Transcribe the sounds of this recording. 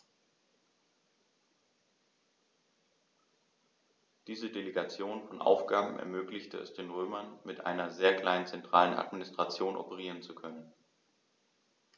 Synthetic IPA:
d̥iːzədeleɡat͡sjoːnfɔnʔa̰ʊfɡ̥aːbm̩ʔɛ̰ɐmøːklɪçtəɛ̰sd̥eːnʁøːmɐnmɪtʔa̰ɪnɐzeːɐkl̥aɪnənt͡sɛntʁ̥a̰ːləna̰tminɪstʁ̥at͡sjoːnʔɔ̰pəʁ̞iːʁənt͡sukʰœnən

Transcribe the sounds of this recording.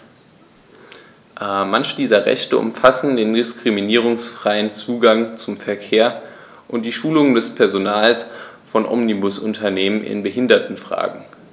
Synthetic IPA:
ʔmançəd̥iːzɐʁɛ̰çtəʔʊ̰mfasn̩deːndɪskʁ̥iminiːʁ̞ʊŋsfʁ̥aɪənt͡suːɡaŋt͡sʊmfɛɐkʰeːɐ | ʔʊnt̚d̥iːʃuːlʊŋəndɛspʰɛɐzonaːls | fɔnʔɔ̰mnibʊsʊntʰɐneːmənʔɪ̰nbəɦɪndɐtn̩fʁ̥a̰ːɡŋ̩

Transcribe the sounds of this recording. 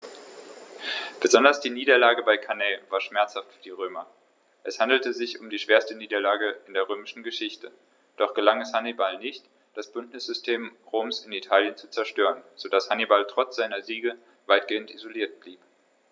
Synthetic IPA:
b̥əzɔndɐsd̥iːniːdɐlaːɡəbaɪkʰanɛːvaːɐʃmɛɐt͡shaftfyːɐdiːʁ̞øːmɐ | ʔɛshandl̩təzɪçʊmdiːʃv̥eːɐstəniːdɐlaːɡəɪndeːɐʁ̞øːmɪʃn̩ɡəʃɪçtə | d̥ɔχɡ̥əlaŋɛshanibalnɪçt | d̥asb̥ʏntnɪsz̥ʏstʰeːmʁoːmsɪnitʰaːljənt͡su̥t͡sɛɐʃtøːʁənz̥odashanibaltʁ̥ɔt͡sz̥aɪnɐziːɡə | vaɪtɡ̥eːəntizoliːɐt̚b̥liːp

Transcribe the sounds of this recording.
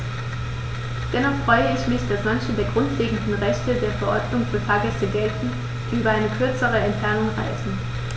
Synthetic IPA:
d̥ɛnɔχfʁ̥ɔʏəɪçmɪçd̥asmançədeːɐɡ̥ʁʊntleːɡŋ̩dn̩ʁɛçtədeːɐfɛɐʔɔɐdnʊŋfɔnfaːɡəsəɡɛltn̩ | d̥iːʔyːbɐaɪnəkʰʏɐt͡səʁəɛntfɛɐnʊŋʁa̰ɪzn̩

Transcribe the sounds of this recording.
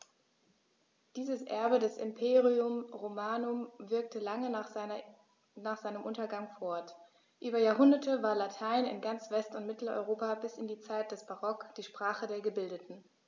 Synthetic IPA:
d̥iːzəsʔɛ̰ɐbədɛsɪ̰mpʰeːʁiʊmʁomaːnʊmvɪɐk̚təlaŋə | naːχz̥aɪnəmʔʊntɐɡaŋfɔɐt | ʔyːbɐjaːɐɦʊndɐtʰəvaːɐlatʰaɪnɪ̰nɡant͡sv̥ɛstʊntmɪtl̩ɔ̰ʏʁoːpabɪsɪndiːt͡saɪt̚d̥ɛsb̥aʁɔkd̥iːʃpʁ̥aːχədeːɐɡəbɪldətn̩

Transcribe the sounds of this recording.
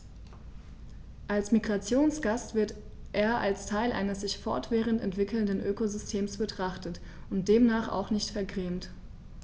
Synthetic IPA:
ʔalsmiɡʁat͡sjoːnsɡ̥astv̥ɪɐt | ʔeːɐʔalstʰaɪlʔa̰ɪnəsz̥ɪçfɔ̰ɐtv̥ɛːʁ̞əntɛntv̥ɪkl̩ndənʔøːkozʏstʰeːmsb̥ətʁ̥aχtət | ʊnt̚d̥eːmnaːχa̰ʊxnɪçtfɛɐɡʁeːmt

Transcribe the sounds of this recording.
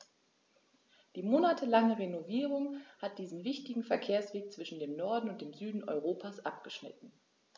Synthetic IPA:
d̥iːmoːnatʰəlaŋəʁenoviːʁ̞ʊŋhat̚d̥iːzn̩vɪçtɪɡŋ̩fɛɐkʰeːɐsv̥eːk̚t͡sv̥ɪʃn̩deːmnɔɐdn̩ʊntd̥eːmzyːdn̩ʔɔ̰ʏʁoːpʰaːsʔap̚ɡ̥əʃnɪ̰tn̩

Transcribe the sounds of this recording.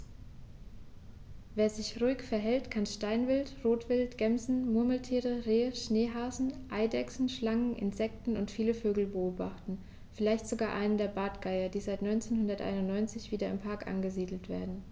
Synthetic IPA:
veːɐzɪçʁuɪkfɛɐɦɛltkʰanʃtaɪnvɪltʁoːtv̥ɪltɡ̥ɛmzn̩mʊɐməl̩tʰiːʁəʁeːəʃneːɦaːzn̩ʔaɪdɛksn̩ʃlaŋənʔɪ̰nz̥ɛk̚tn̩ʊntfiːləføːɡl̩bəoːba̰χtn̩ | fɪlaɪçtz̥oɡaːɐʔa̰ɪnəndeːɐbaːtɡ̥aɪɐdiːzaɪtnɔʏnt͡seːnhʊndɐtʔa̰ɪnʊntnɔʏnt͡sɪçv̥iːdɐɪmpʰaɐkʔa̰nɡəziːdl̩tv̥ḛːɐdn̩

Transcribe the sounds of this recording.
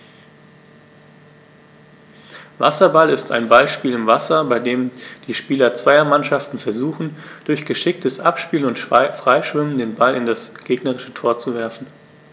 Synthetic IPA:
va̰sɐbalɪstʰa̰ɪnbalʃpiːlɪmvasɐbaɪdeːmd̥iːʃpiːlɐt͡sv̥aɪɐmanʃaftn̩fɛɐzuːxn̩d̥ʊɐçɡ̥əʃɪk̚tʰəsʔapʃpiːlʊntfʁ̥aɪʃv̥ɪməndeːnbalɪndasɡ̥eːɡnəʁɪʃətʰoːɐt͡suvɛɐfn̩

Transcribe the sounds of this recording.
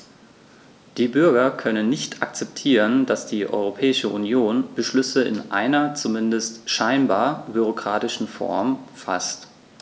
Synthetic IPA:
d̥iːbʏɐɡɐkʰœnənːɪçtʰa̰k̚t͡sɛp̚tʰiːʁənd̥asd̥iːʔɔ̰ʏʁopʰɛːɪʃəʔunjoːnb̥əʃlʏsəɪ̰nʔaɪnɐt͡sumɪndəstʃaɪnbaːɐbyʁ̞okʁ̥aːtɪʃn̩fɔ̰ɐmfa̰st

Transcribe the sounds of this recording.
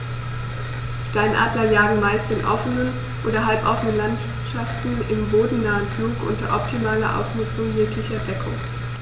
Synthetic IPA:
d̥aɪnʔa̰ːdlɐjaːɡŋ̩maɪstɪnʔɔfənən | ʔoːdɐɦalpʔɔfənənlantv̥ɪtʃaftn̩ɪmboːdn̩naːənfluːkʔʊ̰ntɐ̰ʔɔp̚tʰimaːlɐʔa̰ʊsnʏt͡sʊŋjeɐklɪçɐdɛkʰʊ̰ŋ

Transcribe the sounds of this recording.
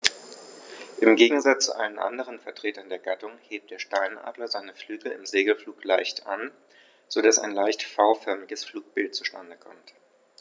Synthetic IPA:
ʔɪmɡeːɡŋ̩zat͡st͡sṵʔa̰ɪnənʔa̰ndəʁ̞ənfɛɐtʁ̥eːtɐndeːɐɡatʊŋheːp̚t̚d̥eːɐʃtaɪnʔa̰ːdlɐzaɪnəflyːɡl̩ɪ̰mzeːɡl̩fluːklaɪçtʔa̰n | z̥odasa̰ɪnlaɪçtfaʊfœɐmɪɡəsfluːk̚b̥ɪlt̚t͡su̥ʃta̰ndəkʰɔmt

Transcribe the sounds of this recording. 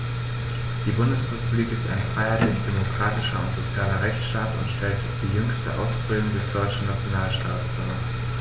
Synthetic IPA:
d̥iːbʊndəsʁepubliːkɪsta̰ɪnfʁ̥aɪɐlɪçd̥emokʁ̥aːtɪʃɐʊ̰ntz̥ot͡sjaːlɐʁɛçt͡sʃtaːtʊ̰ntʃtʰɛltd̥iːjʏŋstə̰ʔa̰ʊsfʁ̥ɪːlʊŋdɛsd̥ɔʏt͡ʃn̩nat͡sjonaːlʃta̰ːtsʊ̰m̰

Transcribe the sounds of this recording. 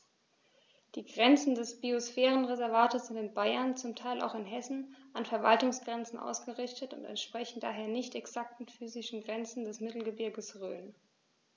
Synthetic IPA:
d̥iːɡʁɛnt͡sn̩dɛsb̥iosfɛːʁənʁezɛɐvaːtəsz̥ɪntɪnbaɪɐnt͡sʊmtʰaɪlʔa̰ʊxɪnɦɛsn̩ʔanfɛɐva̰ltʊŋsɡ̥ʁɛnt͡sn̩ʔa̰ʊsɡ̥əʁɪçtətʊ̰ntɛ̰ntʃpʁ̥ɛçn̩da̰ːɦeːɐnɪçtɛksak̚tn̩fyːzɪʃn̩ɡʁɛnt͡sn̩dɛsmɪtl̩ɡəbɪɐɡəsʁø̰ːn

